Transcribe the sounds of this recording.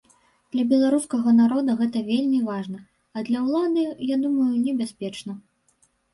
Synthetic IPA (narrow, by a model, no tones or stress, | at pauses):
d̪̥lʲɐbʲɛlˠaɾuskɐɣɐnaɾɔd̪ɐɣɛt̪ɐvʲelʲmʲivaʐnɐ | ɐd̪lʲɐwlˠad̪ɨjad̪umɐjunʲɛbʲaspʲɛt͡ʂnɐ